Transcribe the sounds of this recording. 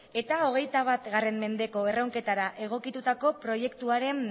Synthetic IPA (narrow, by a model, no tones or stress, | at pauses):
e̞t̪ao̞ɣ̞e̞jt̪aβ̞at̪ɣare̞mme̞nd̪eko̞e̞rowŋke̞t̪aɾaʔe̞ɣ̞o̞kit̪ut̪ako̞pɾo̞je̞kt̪uaɾe̞n